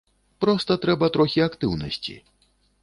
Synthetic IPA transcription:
pɾɔst̪ɐt̪ɾɛbɐt̪ɾɔxʲiakt̪ɨwnɐ̰sʲt͡sʲḭ

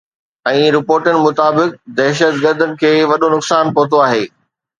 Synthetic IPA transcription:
ɛ̃ːɾɪpoːɾʈənɪ̆mʊt̪aːbɪk̚d̪ɛːʃət̪ɡəɾd̪ənɪ̆kʰeːʋɐɗonʊksaːnpoːt̪oaːɦeː

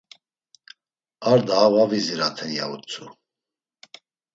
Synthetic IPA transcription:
aɾd̪aːvaviziɾat̪ʰɛnja̰ut͡sʰʼu

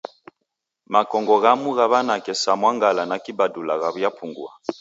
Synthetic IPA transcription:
makɔŋɡɔɣamuɣaβanakɛsamwaŋɡalanakibadulaɣaβujapuŋɡṵa

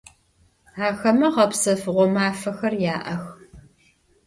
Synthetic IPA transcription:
ʕaːxɐmɐʁɐpsɐfɨʁʷɔmaːfɐxɐrjaːʔɐx

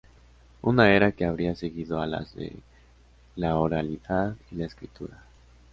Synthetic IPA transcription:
unae̞ɾake̞aβɾiase̞ɣiðoala̰zðe̞̰ | laoɾaliðaðilaeskɾit̪uɾa

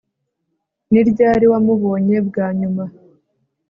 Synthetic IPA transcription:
niɾɟaːɾiwamuβo̞ːɲe̞bɡaːɲuma

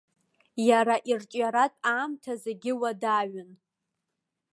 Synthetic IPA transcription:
jaɾaʔirt͡ʃʼjaɾatʼaːmtʰazeɡʲɪwadaɥɨn

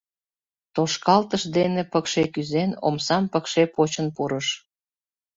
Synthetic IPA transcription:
t̪oʃkɑlt̪əʃd̪enepəkʃekyzeno̰msɑmpəkʃepot͡ɕənpuɾəʃ

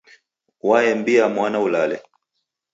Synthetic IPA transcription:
waɛmbiamwanaulalɛ

